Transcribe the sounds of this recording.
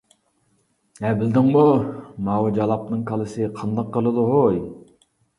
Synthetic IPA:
ɛbɪld̪ɪŋmumɑwd͡ʒɑlˠɑp̚nɨŋkʰɑlˠɨsɨqʰɑnd̪ɑqːəlˠɨd̪uɦoj

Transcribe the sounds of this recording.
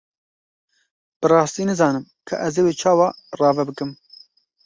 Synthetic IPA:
b̥ɨɾɑːst̪iːnɨzɑːnɨm | kʰɨ̰ʔɛzeweːt͡ʃʰɑːwɑːrɑːvɛbɨkɨm

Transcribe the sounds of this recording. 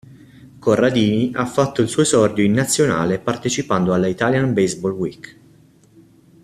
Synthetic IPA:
korːad̪iːniʔafːat̪ːoilsɔːsɔrd̪joinːat̪sːjona̰ːlepart̪et͡ʃipand̪oalːait̪aljanbezbɔlwik

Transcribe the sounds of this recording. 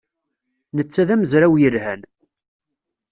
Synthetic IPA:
nət͡sːæðæməzɾæwjəlhæn

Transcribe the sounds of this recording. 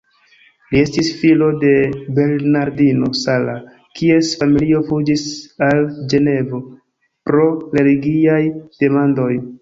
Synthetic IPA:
lie̞stisfilo̞de̞be̞lnaɾdino̞sala | kie̞sfamilio̞fud͡ʒisald͡ʒe̞ne̞vo̞ | pɾo̞ɾe̞liɡiajd̥e̞mando̞j

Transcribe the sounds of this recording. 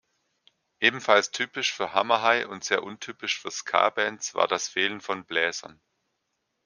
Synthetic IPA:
ʔeːbm̩falstʰyːpɪʃfyːɐɦamɐɦaɪʔʊntz̥eːɐʔʊntʰyːpɪʃfyːɐskʰa̰ːbɛnsv̥a̰ːɐdasfeːlənfɔnblɛːzɐ̰n

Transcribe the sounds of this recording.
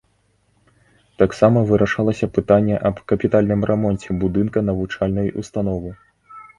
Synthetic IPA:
t̪aksamɐvɨɾɐʂalˠɐsʲɐpɨt̪anʲːɛʔɐbkɐpʲit̪alʲnɨmɾʔɛmɔnʲt͡sʲɛbud̪ɨnkɐnɐvut͡ʂalʲnɐjṵst̪anɔvɨ

